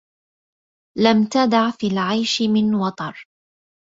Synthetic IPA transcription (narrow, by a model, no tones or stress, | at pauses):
lamt̪ad̪aʕfiːlʕajʃmɪnwɑt̪ˤɑɾˤ